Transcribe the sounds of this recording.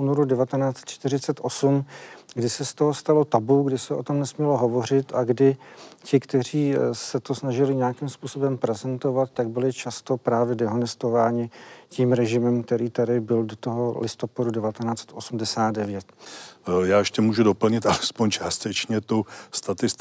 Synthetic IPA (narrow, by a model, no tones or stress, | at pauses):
uːno̞ɾudɛvat̪ɛnaːt͡sɛ̥t̪t͡ʃt̪ɪrɪt͡sɛt̪ʔo̞sumɡdɪsɛst̪oɦo̞st̪alo̞t̪abuɡdɪsɛʔo̞t̪o̞mnɛsmɲɛlo̞ɦo̞vo̞r̝ɪt̪ʔaɡdɪcɪkt̪ɛriːsɛt̪o̞snaʒɪlɪɲejakimspuːso̞bɛmpɾɛzɛnt̪o̞vat̪̚ːaɡ̚bɪlɪt͡ʃast̪o̞pɾaːvjɛdɛɦonɛst̪o̞vaːɲɪcimɾɛʒɪmɛmkt̪ɛɾiːt̪adɪbɪldot̪o̞ɦo̞lʔɪst̪o̞padudɛvat̪ɛnaːt͡sɛ̥t̪ʔo̞sumdɛsaːt̪dɛvjɛt̪ | jaːjɛʃcɛmuːʒudo̞pl̩ɲɪt̪ʔalɛspoɲt͡ʃaːst̪ɛt͡ʃɲɛt̪owst̪at̪ɪst̪